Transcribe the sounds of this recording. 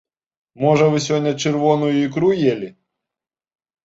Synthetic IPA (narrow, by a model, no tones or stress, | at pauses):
mɔʒɐʋɪsʲɔnʲːɐt͡ʃerʋɔnʊjʊikɾujelʲɪ